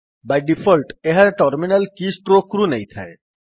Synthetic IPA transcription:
bajɖifʰɔlʈeɦaɾʈɔɾminalkisʈɾokɾunejt̪ʰa̰e

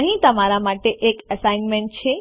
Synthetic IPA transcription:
əɦĩt̪əmaɾamaʈeʔekəsainmẽɳʈ̚t͡ʃʰe

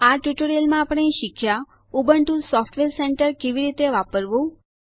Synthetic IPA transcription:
aʈjuʈoɾijəlmãːpəɽ̃eʃɪkʃa | ubəɳʈũsɔfʈʋeɾseɳʈəɾkeʋiɾit̪eʋapəɾʋũ

